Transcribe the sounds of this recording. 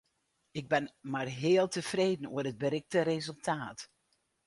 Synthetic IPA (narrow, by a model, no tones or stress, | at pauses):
ɪɡ̚bɪnmarɦeːəlˠtəfreːdn̩uərəd̚bəɾɪk̚tərezəlˠtʰaːt